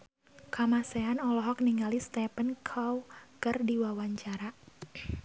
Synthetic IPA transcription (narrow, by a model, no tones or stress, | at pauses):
kamasɛanɔlɔɦɔk̚niŋalist̪ɛpənkʰawkɨrdiwawaɲt͡ʃaɾa